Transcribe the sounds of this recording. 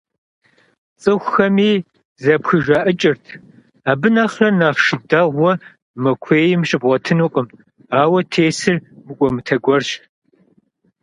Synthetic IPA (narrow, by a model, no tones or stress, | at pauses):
t͡sʼɨxʷxɐmiː | zɐpxɨʒaːʔɨt͡ʃʼɪrtʰ | aːbɨnaχrɐnaːʁʃɪdaʁʷɔ | mɐkʷʰeːjɪmɕʼɪbʁʷɔtʰɨnuqʼəm | aːwɐtʰeːsɨrmɨkʷʼɔmɨtʰɐɡʷɔrɕ